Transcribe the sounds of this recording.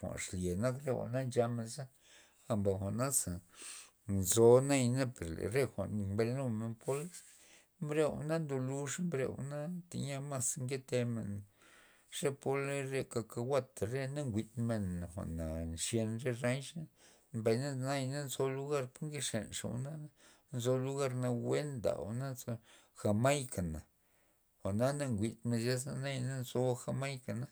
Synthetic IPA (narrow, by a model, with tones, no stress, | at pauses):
xʷa̰˨ʂlje˨na˦kɾe˦xʷa̰˨ʔna˦nd͡ʒa˧me˧nza˦ | a˨mba˨xʷa˨ʔna˦sa˨ | nzo˧na˦jna˦pe˨ɾlḛ˨ɾe˦xʷa̰˨ʔnmbɾe˧nu˦me˧˨npʰo˦l | mbɾe˦wa̰˨na˦nd̪o˧lu˧ʂmbɾḛ˧w̰na˦t̪ḛ˨ɲa˧ma˦sŋɡe˦t̪e˧mḛ˨n | ʂe˦po˦lɾe˦˧ka˧ka˧wʷa˦t̪a˨ɾe˦na˦ŋɡʷi˨t̪me˧n˨xʷa̰˨ʔna˨ʂje˧nɾe˦ɾa˦ɲʂa˦ | mba˨jna˦na˦jna˦nzo˧lu˦ɡa˦ɾpo˦ɾŋɡe˦ʂḛ˨nʂa̰˨w̰na˦ | nzo˧lu˦ɣa˦ɾna˧we˦nd̪a̰˨na˦zo˧ | xa˧ma˦jka˨na˨ | xa˨na˦na˦ŋɡʷi˨t̪me˧nʃa˦sa˧na˦jna˦nzo˧xa˧ma˦jka˨na˦